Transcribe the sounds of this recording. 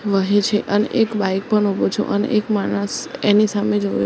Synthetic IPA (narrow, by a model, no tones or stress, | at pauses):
ʋəɦet͡ʃʰeʔənḛʔekbajk̚pəɳɦobot͡ʃʰõ̰ʔənḛʔekmaɽ̃əsenisamed͡ʒoj